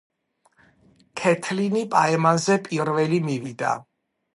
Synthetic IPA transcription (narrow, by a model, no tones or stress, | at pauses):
kʰɛt̪ʰlinipʼaɛmanzɛpʼiɾvɛlimivid̪a̰